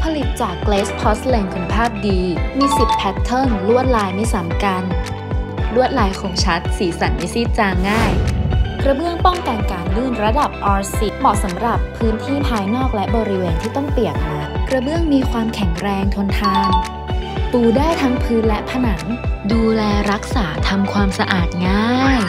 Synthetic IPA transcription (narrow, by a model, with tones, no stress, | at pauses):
pʰa˧li˨˩t̪̚t͡ɕaː˨˩kːleː˦˥spʰɔ˦˥sle˧ŋkʰu˩npʰaː˥˩p̚diː˧miː˧si˨˩t̪̚pʰːɛ˦˥tt̪ʰːɤː˥˩nʰɔː˩˦ŋlu˥˩ət̪̚laː˧jma˥˩jsa˩˦mka˧n | lu˥˩ət̪̚laː˧jkʰoː˧mt͡ɕʰa˦˥t̪̚siː˩˦sa˩˦nʔi˧˥siː˥˩t̪̚t͡ɕaː˧ŋːaː˥˩jkɾa˧bɯ˥˩əŋpɔ˥˩ŋka˧nkaː˨˩nlɯː˥˩nɾa˧da˨˩p̚ʔɔː˧si˦˥t̪̚bɔː˨˩k̚sa˩˦mɾa˨˩pʰːɯː˦˥nt̪ʰiː˥˩pʰaː˧jnɔː˥˩k̚lɛ˦˥bɔː˧ɾi˦˥weː˧nt̪ʰiː˥˩t̪ɔ˥˩ŋpi˨˩ək̚maː˧˩kɾa˧bɯ˥˩əŋmiː˧kʰwaː˧mkʰɛ˨˩˦ŋɾɛː˧ŋt̪ʰo˧nt̪ʰaː˧ŋ | puː˨˩daː˥˩jt̪ʰa˦˥ŋpʰɯː˦˥nlɛ˦˥pʰa˧na˩˦ŋduː˧lɛː˧ɾa˦˥k̚saː˩˦t̪ʰa˧mkʰwaː˧msa˧ʔaː˨˩t̪̚ŋaː˥˩˥j